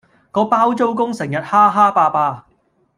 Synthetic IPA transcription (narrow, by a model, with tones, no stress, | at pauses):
kɔː˧paː˥wt͡so˥wkʊ˥ŋsɪ˨˩ŋjɐ˨t̚haː˥ɦaː˥paː˧paː˧